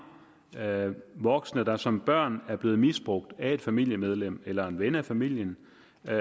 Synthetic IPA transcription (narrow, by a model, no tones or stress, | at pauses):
ʋɒ̽ɡ̥snəd̥ɑ̈sɒ̽mb̥ɶɐ̰næɐb̥le̝ːð̞̩ˠmisb̥ʁɔ̽ɡ̥̚d̥æe̝d̥fæmil̰jəmeð̞ˠlem̰elɐe̝nʋenæfæmil̰jən